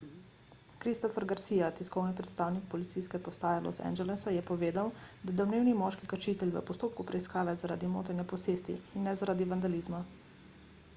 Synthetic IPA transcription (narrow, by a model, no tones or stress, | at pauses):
kɾist̪ɔfɛɾɡaɾsijat̪iskɔwnipɾɛt̪st̪aːwnik̚pɔlit̪sijskɛpɔst̪aːjalɔ̰st̪ɛ̰nd͡ʒɛlɛsajɛpɔʋeːd̪awd̪ad̪ɔwmneːwnimɔʃkikaɾt͡ʃiːt̪ɛlʲʋə̰pɔst̪oːp̚kupɾɛiskaːʋɛzaɾa̰ːd̪imo̰ːt̪anjapɔseːst̪ḭinːɛzaɾaːd̪iʋand̪aliːzma